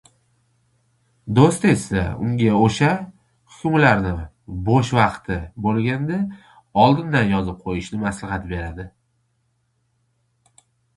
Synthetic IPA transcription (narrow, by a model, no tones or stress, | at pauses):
d̪ost̪e̞sa̰ʊ̰ŋɡʲaoʃa | hʊ̥kʲʰʊmlaɾnɪ | bɒʃvɑqt̪ʰɪbolˠɡʲand̪a | ɒlˠd̪ɪnd̪anjɒzɪp̚qʰojɪʃnɪmaslɪhat̪be̞ɾad̪ɪ